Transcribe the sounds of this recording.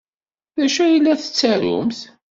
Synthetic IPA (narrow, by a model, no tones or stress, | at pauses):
ðæʃæjilːæθə̥t͡sːæɾʊ̰mθ